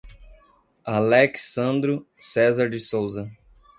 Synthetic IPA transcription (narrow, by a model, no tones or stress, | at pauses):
alɛksɐ̃nd̪ɾʊ | sɛzaɾd͡ʒɪsowzɐ